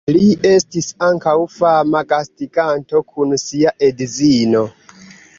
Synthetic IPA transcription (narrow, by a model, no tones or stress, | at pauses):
lie̞stisaŋkawfamaɡastiɡanto̞kʰunsiaʔedzino̞